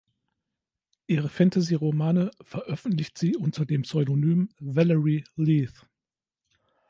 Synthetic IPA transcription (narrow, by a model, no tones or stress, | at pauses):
ʔiːʁ̞əfɛntaziːʁomaːnəfɛɐʔœfn̩tlɪçtz̥iːʔʊntɐdeːmpsɔʏdonyːmvɛlɛʁiliːθ